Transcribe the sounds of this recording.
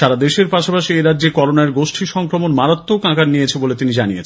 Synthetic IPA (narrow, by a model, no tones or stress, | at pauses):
ʃaɾad̪eʃeɾpaʃapaʃieɾadːd͡ʑekɔɾonaeɾɡoʃʈʰiʃɔŋkɾomonmaɾat̪ːokãkaɾnijet͡ɕʰebolet̪inid͡ʑanijḛt͡ɕʰn